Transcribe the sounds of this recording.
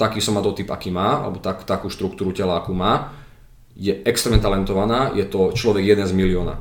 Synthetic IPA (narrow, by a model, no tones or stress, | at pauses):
t̪akiːsɔmat̪ɔt̪ipa̰kiːmaːa̰lɛ̰bɔt̪akt̪akuːʃt̪ɾukt̪uːɾucɛlaakuːmaː | jɛɛkst̪ɾɛːmɲɛt̪alɛnt̪ɔʋanaːjɛt̪ɔt͡ʃlɔʋɛɡjɛd̪ɛnzmiliɔːna̰